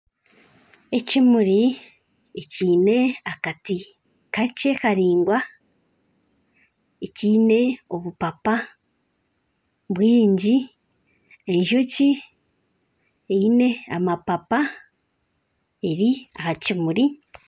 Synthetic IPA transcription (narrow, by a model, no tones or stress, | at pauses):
e̞cimuɾi | eciːne̞akati | kace̞kaɾiːŋɡwa | eciːne̞o̞βupapa | βwiːɲɟi | e̞ɲʒoci | eine̞a̰mapapa | e̞ɾiahacimuɾi